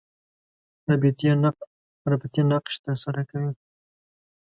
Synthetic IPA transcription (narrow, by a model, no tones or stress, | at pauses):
abit̪ | ɾabit̪inaqʃt̪əɾsaɾakawi